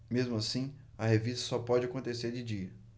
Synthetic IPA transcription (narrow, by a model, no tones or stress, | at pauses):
mezmʊasĩ | ɐɦevist̪ɐ̥sɔpɔd͡ʒɪakõt̪eseɾd͡ʒɪd͡ʒiɐ